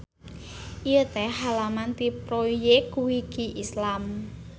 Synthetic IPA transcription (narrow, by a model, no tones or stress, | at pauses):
ʔijət̪ɛɦalamant̪ipɾojekuwikiʔislam